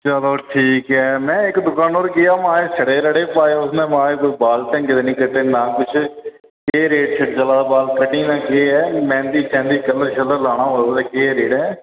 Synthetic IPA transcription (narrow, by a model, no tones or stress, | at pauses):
t͡ʃəloːʈʰiːkɛːmɛ̃ːɪkd̪ʊkãːnoːɾkɪjaːmãːeːsəɽeːɾəɽeːpaːeːʊsnɛ̃ːmãːeːkʊbaːlʈɛ̃ːŋɡɪd̪eːnĩːkəʈːeːnãːkʊt͡ʃʰ | keːɾeːɖt͡ʃʰɪʈd͡ʒəlaːbaːlkəʈːiːnãːkeːɛːmɛ̃ːnd̪iːt͡ʃɛ̃ːnd̪iːkələɾʃələɾlaːɽ̃ãːɦoːt̪eːkeːɾeːɖɛː